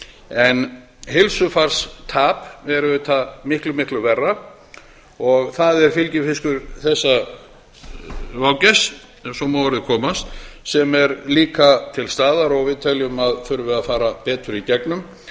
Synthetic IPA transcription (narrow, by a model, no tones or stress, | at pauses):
ɛn | ɦɪlsʏfaɾ̥st̪ʰaːpɛɾʏvʏt̪ʰamɪhklʏmɪhklʏvɛrːa | ɔɣθaðɛɾ̥fɪlcɪfɪskʏɾθɛsːa | vawcɛs | sɔmawaɾɪðʏkʰɔːmast̪sɛmɛɾliːkat̪ʰɪlst̪aːðaɾɔɣvɪðt̪ʰɛljʏmaðfʏɾvɪðafaːɾapɛːt̪ʏɾicɛknʏm